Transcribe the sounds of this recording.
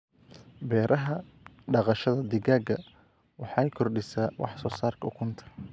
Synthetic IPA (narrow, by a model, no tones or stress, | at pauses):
bɛːɾʔɐɦɐ | ɖɑqɑʃɐðɐd̪ɪɡaːɡɐ | wɑħɑjkʰɔrɖɪsaːwɑ̰ħsɔːsaːrkʰɐʊkʰʊnt̪ʰɐ̥